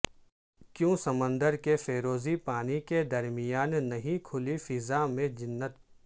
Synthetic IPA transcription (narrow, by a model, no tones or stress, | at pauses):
kjõːsɐmə̃nd̪əɾkefeːɾoːzipaːniked̪ɐɾmɪjaːnːɐɦĩkʰʊlifɪzamẽd͡ʒɪnːət̪̚